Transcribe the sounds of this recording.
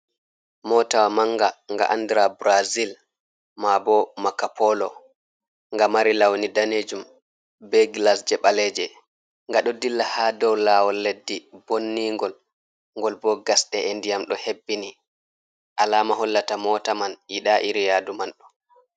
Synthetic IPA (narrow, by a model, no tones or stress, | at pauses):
mɔtawamaŋɡaŋɡa̰ʔandɾabɾazil | mabɔmakapʰɔlɔ | ŋɡamaɾilawnidaned͡ʒum | bɛɡlasd͡ʒɛɓalɛːd͡ʒɛ | ŋɡaɗɔdilːahadɔwlawɔlːedːibonːiŋɡɔl | ŋɡɔlbɔɡasɗɛʔendijamɗɔhebːini | ʔalaːmaɦɔlːatamɔːtamaniɗaʔiɾijaːdumanɗɔ